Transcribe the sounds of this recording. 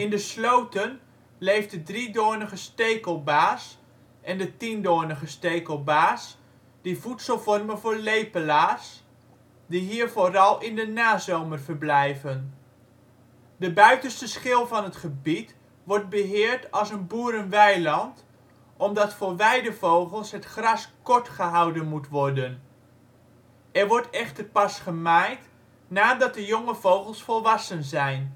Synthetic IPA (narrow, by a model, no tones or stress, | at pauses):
ɪndəslowtən | lejfdədridoːnəχəstejkəlˠbaːs | ʔɛndətindoːnəχəstejkəlˠbaːs | d̥ivutsəlˠvɔrmənvʊːɹlejpəlaːs | diɦiːɹvoːrɑlˠɪndənaːzowmərvəɹblɛjvən | dəbœɥtənstəsχɪlˠvɑnɦətχəbit | ʋɔɹd̚bəɦɪːəɹtɑlˠsənbuːɾənʋɛjlɑnt | ʔɔmdɑtfoːɹʋɛjdəvowχəlˠsɦətχrɑskɔɹtχəɦɑwdənmutʋɔrdən | ɛɹʋɔɹtɛχtərpɑsχəmajt | naːdɑt̚dəjoŋəv̥owχəlˠsfɔlˠʋɑsənzɛjn